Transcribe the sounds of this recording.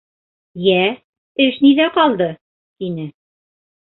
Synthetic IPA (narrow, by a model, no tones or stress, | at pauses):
jæ | ɘʃniðæqɒlˠd̪ɤ | t̪inɘ